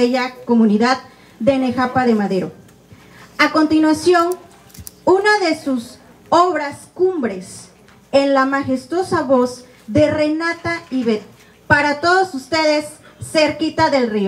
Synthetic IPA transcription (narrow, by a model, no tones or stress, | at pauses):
eʝakomũniðað | d̪enexapaðemaðeɾo | akont̪inwasjo̞n | unaðesus | oβɾaskumbɾes | enlamaxest̪o̞saβoz | ðerenat̪aiβet̪̚ | paɾat̪oðosust̪eðesːeɾkit̪aðe̞lrio